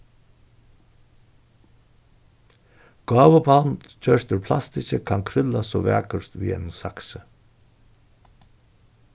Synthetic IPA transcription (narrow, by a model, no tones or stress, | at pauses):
ɡ̥ɑːvəbant͡ɕœɾt̪ʏɾpʰlast̪ɪɕəkʰankʰɾʏlasɔvæ̰ːkəɾt̪vḭːɛ̰nsaksə